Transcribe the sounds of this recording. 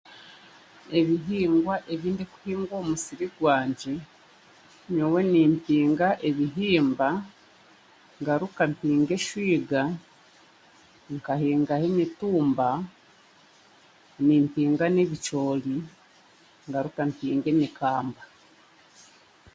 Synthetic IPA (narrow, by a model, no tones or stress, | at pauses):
e̞βiɦiːŋɡwaʔe̞βiːndiku̥hiːŋɡwo̞ːmusiɾiɡwaːɲɟe | ɲowe̞niːmpiːŋɡaʔe̞βiɦiːmba | ŋɡaɾukampiːŋɡe̞ʃwiːɡa | ŋkahiːŋɡahemituːmba | niːmpiːŋɡaneβit͡ʃo̞ːli | ŋɡaɾukampiːŋɡe̞ɲikaːmba